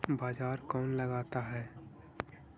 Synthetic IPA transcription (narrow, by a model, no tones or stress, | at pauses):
baːd͡ʒaːɾkɔːnlɐɡaːt̪aɦɛː